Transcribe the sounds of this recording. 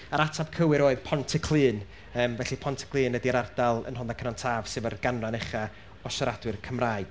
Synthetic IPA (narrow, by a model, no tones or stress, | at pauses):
aɾatʰab̥̚kʰəwɨɾoːɨðpʰɔntʰəkʰlˠɨːn | əːmvɛɬipʰɔntʰə̥kʰlˠɨːnːədiaɾardalˠə̰nɦɔnakʰənantʰaːv̥sɨvərɡ̥anranɛχa | ɔsəɾadwɨrkʰəmraːɨd̥